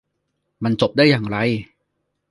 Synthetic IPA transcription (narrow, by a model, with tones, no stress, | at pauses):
ma˧nt͡ɕo˨˩p̚daː˥˩jːaː˨˩ŋɾa˧j